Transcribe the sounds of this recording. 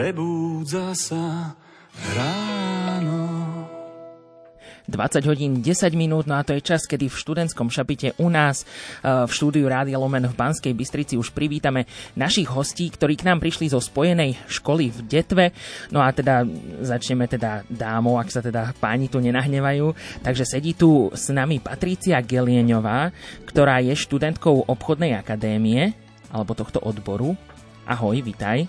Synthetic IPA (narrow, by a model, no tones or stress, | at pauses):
pɾɛbuːd͡zasa | ɾaːnɔ | d̪ʋa̰t͡saɟɦɔɟiːnɟɛsaɟminuːd̪nɔat̪ɔjɛt͡ʃaskɛd̪ifʃt̪ud̪ɛnskɔmʃapicɛʔunaːsfʃt̪uːd̪iuɾaːd̪ialɔmɛnvbanskɛjbist̪ɾit͡siuʃpɾiʋiːt̪amɛnaʃiɣɦɔsciːkt̪ɔɾiːknaːmpɾiʃlizɔspɔjɛnɛjʃkɔlivɟɛt̪ʋɛnɔat̪ɛd̪azat͡ʃɲɛmɛt̪ɛd̪ad̪aːmɔʊaksat̪ɛd̪apaːɲit̪uɲɛnaɦɲɛʋajuːt̪aɡʒɛsɛɟiːt̪usnamipat̪ɾit͡siaɡɛlɪɛɲɔʋaːkt̪ɔɾaːjɛʃt̪ud̪ɛnt̪kɔʊʔɔpxɔd̪nɛjakad̪ɛːmiɛ | ʔalɛbɔt̪ɔxt̪ɔʔɔd̪bɔɾu | ʔa̰ɦɔjʋit̪aj